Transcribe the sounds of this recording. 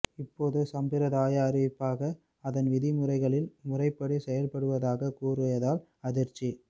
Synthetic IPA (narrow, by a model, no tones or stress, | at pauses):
ɪpːoːðɯsɐmbɪɾɐðaːjaːɾɪʋɪpːaːɣɐ | ɐðɐnʋɪðɪmʊrɐɪɣɐɭɪlmʊrɐɪpːɐɽisɛjɐlpɐɽɯʋɐðaːɣɐkuːɾɐjɐðaːl | ɐðɪɾt͡ʃːi